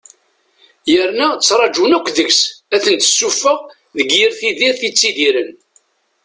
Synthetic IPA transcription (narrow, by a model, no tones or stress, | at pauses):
jəɾnæt͡sːɾˤɑd͡ʒunækʷːðəɡsæθənt̪ə̥sːufːəʁ | ðəɡjiɾθiðiɾθit͡sːiðiɾən